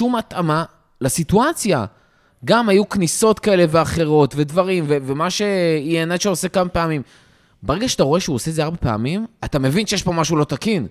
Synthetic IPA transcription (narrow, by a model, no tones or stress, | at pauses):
ʃumat̪ama | lasituat͡sja̰ | ɡamajukniso̞tkae̞le̞veaχe̞ʁo̞tve̞dvaʁimvevemaʃe̞ieneʃeosekamapeamim | beʁe̞ɡaʃeat̪aʁo̞eʃeuosezeaʁbepea̰mimatame̞vinʃejɛʃpo̞maʃulo̞t̪akin